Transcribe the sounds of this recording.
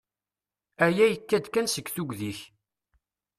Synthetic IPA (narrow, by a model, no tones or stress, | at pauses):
æjæjəkːæd̪kːænsəɡθuɡðiç